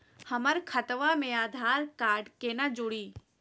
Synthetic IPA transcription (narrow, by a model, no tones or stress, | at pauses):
hɐməɾkʰət̪ʋãmẽaːd̪ʱaːɾkaːɾɖkenad͡ʒʊɽiː